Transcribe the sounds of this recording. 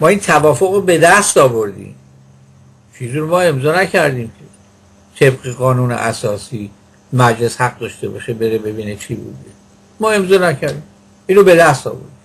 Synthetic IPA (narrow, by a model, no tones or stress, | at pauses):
mɒːiːnt̪ʰævɒːfoɣɾobe̞d̪æst̪ɒːbo̞ɾd̪ḭːm | t͡ʃʰiːziɾomɒːe̞mzɒːnæcʰæɾd̪iːmcʰe | t̪ʰe̞bɢeɣɒːnuːnḛʔæsɒːsiː | mæd͡ʒle̞shæɡ̚d̪ɒʃt̪ebɒ̰ːʃebe̞ɾebe̞biːnet͡ʃʰibṵːd̪e | mɒːe̞mzɒːnæcʰæɾd̪im | ʔiːnɾobe̞d̪æst̪ɒ̰ːbo̞̰ɾd̪im